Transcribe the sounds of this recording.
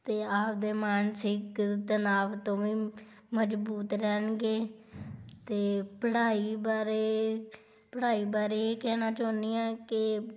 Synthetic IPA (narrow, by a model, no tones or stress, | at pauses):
t̪eːaːp̚d̪eːmaːnsɪkt̪ənaːʋt̪õːʋĩː | məd͡ʒbuːt̪ɾɛːnɡeː | t̪eːpəɽaːiːbaːɾeː | pəɽaːiːbaːɾeːeːkɛːnaːt͡ʃaːniːãːkɪ